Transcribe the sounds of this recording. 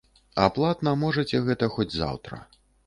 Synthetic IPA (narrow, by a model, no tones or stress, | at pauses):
aplˠat̪nɐmɔʐɐt͡sʲɛɣɛt̪ɐxɔd͡zʲza̰wt̪ɾɐ̰